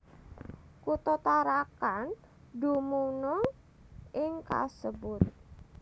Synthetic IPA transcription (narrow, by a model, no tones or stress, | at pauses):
kut̪ot̪aɾakan | ɖumunɔ | ʔɪŋka̰səbʊt̪̚